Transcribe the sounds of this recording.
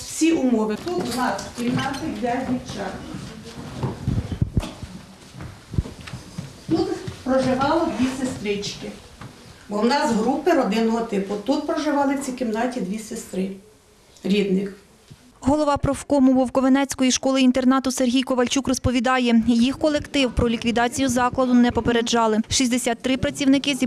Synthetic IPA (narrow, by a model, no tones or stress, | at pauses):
wsʲiʔumɔʋɪt̪unɑskʲimnɑt̪ɪlʲazʲʋʲiwt͡ʃɑ | t̪ut̪pɾɔʒɪʋɑlˠɪd̪ʋʲisest̪ɾɪt͡ʃkɪ | bɔwnɑzɦɾupɪɾɔd̪ɪnɔɦɔt̪ɪpʊt̪ut̪̚pɾɔʒɪʋɑlˠɪwt͡sʲikɪmd̪ɑtʲid̪ʋʲisest̪ɾɪ | ɾʲid̪nɪx | ɦɔlˠɔʋɑpɾɔfkɔmʊʋɔwkɔʋenɛt͡sʲkɔjiʃkɔlˠɪint̪e̞rnɑt̪ʊserɦʲijkɔʋɐlʲt͡ʃukrɔspɔʋʲid̪ɑjɛjixkɔlˠekt̪ɪwpɾɔlʲikʋʲid̪ɑt͡sʲijʊzɑklˠɐd̪ʊnɛpɔpeɾed͡ʒɑlˠɪʃisʲd̪esʲɑt̪ːɾɪpɾɐt͡sʲiwnɪkɪzʲ